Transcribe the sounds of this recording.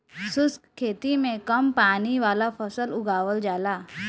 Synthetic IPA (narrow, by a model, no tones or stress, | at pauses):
sʊskkʰeːt̪imẽkɐmpaːniʋaːlapʰɐsəlʊɡaːwəld͡ʒaːlaː